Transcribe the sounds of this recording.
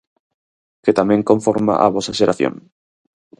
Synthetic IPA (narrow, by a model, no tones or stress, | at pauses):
ket̪amẽŋkõɱfoɾma̰ʔa̰βɔsaʃeɾaθjo̰ŋ